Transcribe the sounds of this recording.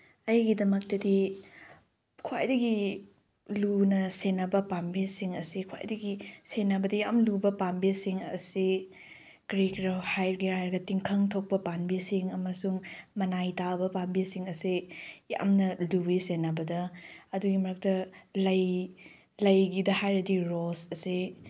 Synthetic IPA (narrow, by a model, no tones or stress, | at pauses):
ɐjɡidɐmɐk̚tɐdi | kʰuwa̰jdɐɡi | lunɐsenːɐbɐpambisiŋɐsikʰwa̰jdɐɡisenːɐbɐdɐjamlubɐpambisiŋɐ̰si | kɾikɾɐhajɾɡihajɾɡɐtiŋkʰɐŋtʰok̚pɐpanbisiŋɐmɐsuŋmɐnajtabɐpanbisiŋɐsija̰mnɐlubisenɐbɐdɐɐduɡimɐɾɐk̚tɐlɐj | lɐjɡidɐhajɾɐdiɾosɐsi